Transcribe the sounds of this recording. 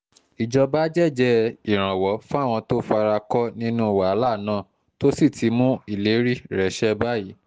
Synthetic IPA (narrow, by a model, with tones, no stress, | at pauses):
i˨d͡ʒɔ˧ba˦d͡ʒɛ˦˨d͡ʒɛ˧i˨ɾ̃ã˨wɔ˨˦fũ˦a˦˨w̃ɔ̃˧to˦fa˧ɾa˧kɔ˦nĩ˦nũ˦˨wa˨˦la˦˨nãː˦˨ | to˦si˦˨tʰi˨˧mũ˦i˦˨le˨˦ɾi˦ɾɛ˨˦ʃɛ˦ba˦ji˨˦